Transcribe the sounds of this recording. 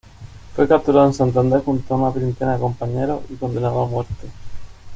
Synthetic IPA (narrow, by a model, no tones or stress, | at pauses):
fwekap̚t̪uɾaðoensant̪̬and̪ɾexunt̪aunapɾint̪enaðeko̞mpaɲeɾo̰iko̞nd̪e̞naðoamwe̞ɾt̪e